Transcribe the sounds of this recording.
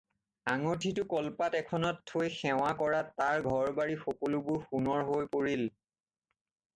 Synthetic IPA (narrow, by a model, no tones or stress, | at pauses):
aŋɔtʰitʊkɔlpatɛkʰɔnɔtʰːojxɛw̃akɔɹatːaɹɡʱɔɹbaɹixɔkɔlubʊɹxunɔɹɦojpoɹil